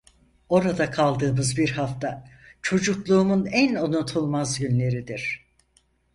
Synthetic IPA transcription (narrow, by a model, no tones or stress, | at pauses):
o̞ɾad̪akʰalˠd̪ɯːmɯzbiɾhaft̪ʰat͡ʃʰo̞d͡ʒuklˠuːmunænonut̪ʰulˠmazɟynlʲe̞ɾid̪iɾ̝̥